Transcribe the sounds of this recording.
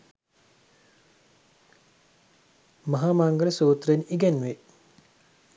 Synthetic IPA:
mɐɦaːmaŋɡələsuːt̪reniɡɛnʋe

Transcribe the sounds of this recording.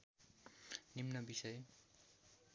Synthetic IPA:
nimnʌbisʌj

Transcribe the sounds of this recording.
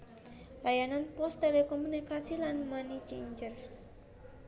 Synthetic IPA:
lajananpɔst̪elekɔmunikasilanmanit͡ʃiɲd͡ʒər

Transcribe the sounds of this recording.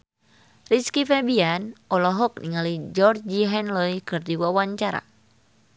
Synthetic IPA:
riskifɛbianʔɔlɔɦɔk̚niŋalid͡ʒɔrd͡ʒiɦɛnlɔjkɨrd̪iwawaɲt͡ʃaɾa̰

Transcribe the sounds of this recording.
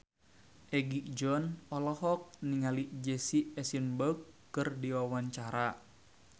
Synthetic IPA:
ʔɛɡiʔd͡ʒɔnɔlɔhɔk̚niŋaliʔd͡ʒɛsiɛsinbəkː | ɨrdiwawaɲt͡ʃaɾa

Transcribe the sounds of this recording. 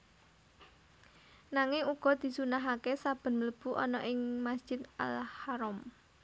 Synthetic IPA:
naŋɪŋuɡ̥ɔ̤d̪̥i̤sunaɦakesab̥ə̤nmələb̥ṳʔɔnɔʔɪŋmasd̥ʒ̥ɪ̤t̪a̰lhaɾɔm

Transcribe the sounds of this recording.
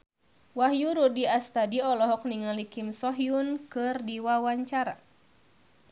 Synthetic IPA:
wahjuɾudiast̪adiɔlɔɦɔk̚niŋalikimsɔɦjunkɨrdiwawaɲt͡ʃaɾa̰

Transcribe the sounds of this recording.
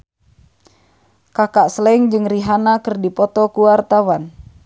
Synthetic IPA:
kakaʔsəlɛŋd͡ʒɨŋriɦanakərdipɔt̪ɔkuwart̪awan

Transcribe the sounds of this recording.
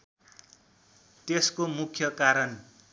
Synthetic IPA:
t̪eskomukʰjʌkaɾʌn

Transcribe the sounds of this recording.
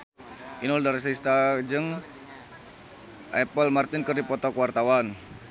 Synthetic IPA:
ʔinɔldaɾɛs̬list̪ad͡ʒəŋ | ʔɛpəlmart̪inkərdipɔt̪ɔkwart̪awan

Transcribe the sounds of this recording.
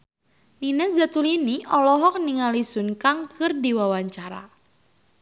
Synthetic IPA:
ninɛsdat̪uliniʔɔlɔɦɔk̚niŋalisʊnkaŋkʰɨrdiwawaɲt͡ʃaɾa̰

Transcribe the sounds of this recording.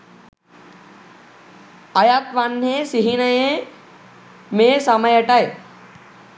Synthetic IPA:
ɐjaːt̪ʋaːnːẽsiɦinɐjẽ | mẽsamajəʈaːe

